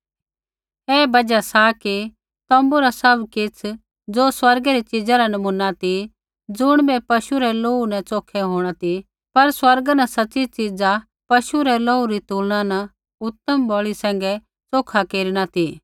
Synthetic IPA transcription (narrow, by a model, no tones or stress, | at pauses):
ɛːbɐd͡ʒasaki | t̪ɔ̃ːmbuɾasɐbkɪt͡sʰ | d͡zoːswɐɾɡɛɾit͡ʃid͡zaɾanɐmunːat̪i | d͡zʊɽ̃bɛpɐʃuɾɛloːunɛ̃t͡soːkʰɛɦoːɽ̃at̪i | pɐɾswɐɾɡanɐsɐtːt͡ʃit͡ʃid͡za | pɐʃuɾɛloːuɾit̪uːlɽ̃ãnɐ | ʊt̪ːəmbɔːɭisɛ̃ːŋɡɛ | t͡soːkʰakeːɾiɽ̃at̪i